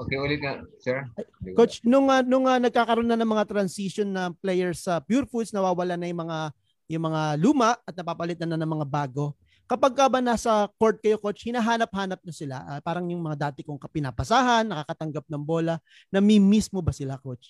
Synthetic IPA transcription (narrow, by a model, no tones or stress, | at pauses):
ʔokeʔolɪt̪̚ɐsɛɹjkot͡ʃnʊŋɐnʊŋɐnɐɡ̚kaːkɐɾonɐnɐŋmɐŋat̪ɾɐnsiʃonːɐplɛjɛɹsɐpjuɾfud̪snɐwaːwɐlanɐjʊŋmɐŋa | jʊŋmɐŋaluːmɐʔɐt̪̚nɐpapɐlɪt̪anɐnɐŋmɐŋabaːɡo̞ | kɐpaɡ̚kɐbɐnasɐko̞ɹt̪̚kɐjoko̞t͡ʃhɪnaːɦaːnɐp̚haːnɐp̚nɐsɪla̰ʔapaːɾɐŋjʊŋmɐŋad̪aːt̪ɪkoŋkɐpɪnaːpɐsaːɦɐnːɐkaːkɐt̪ɐŋɡap̚nɐŋbo̞ːlɐ | nɐmimismo̞bɐsɪlako̞t͡ʃ